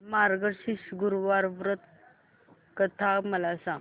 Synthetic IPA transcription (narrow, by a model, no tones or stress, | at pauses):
maɾɡəɾɕiɕɡuɾʋaɾʋɾət̪ | kət̪ʰaməlasãŋ